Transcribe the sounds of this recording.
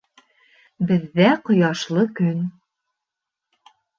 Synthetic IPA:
bɘ̆ðːæqŏjɑʃlˠɤkɵn

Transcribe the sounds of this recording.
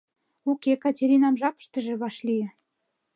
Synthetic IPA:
ukʲekɑtʲeɾʲinɑmʒɑpə̥ʃt̪ə̆ʒĕβɑʃlijĕ

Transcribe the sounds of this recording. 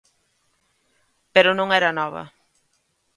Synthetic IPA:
peɾʊnõŋɛɾɐnɔβɐ̰

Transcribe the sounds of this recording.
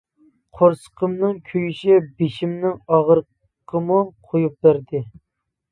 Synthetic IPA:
qʰoɾsə̥qʰəmnɨŋkʲʰøjyʃɛbeʃimnɪŋɑʁəɾ | qʰəmuqʰojup̚bæɾd̪ɪ

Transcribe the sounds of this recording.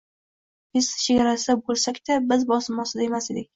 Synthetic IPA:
bɪsʃeɡʲaɾasɪd̪abolˠsakʲt̪ʰabɪzbɒsɪmɒsɪd̪ae̞mased̪ɪk̚ʲ

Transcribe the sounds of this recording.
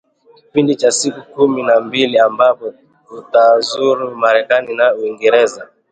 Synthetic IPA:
kipindit͡ʃasikukuminambiliambapɔ | utazuɾumaɾɛkaninauiŋɡɛɾɛza

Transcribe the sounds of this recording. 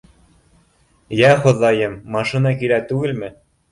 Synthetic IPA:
jæχŏðɑjɤmːɑʃinɑkilæt̪ʉɡɘ̆lmɘ̆

